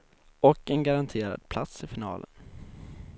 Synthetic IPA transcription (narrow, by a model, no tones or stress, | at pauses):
ɔkːɛnɡaɾant̪ʰeːɾa̰d̪̥̚pʰlat̪sɪfɪnɑ̰ːlən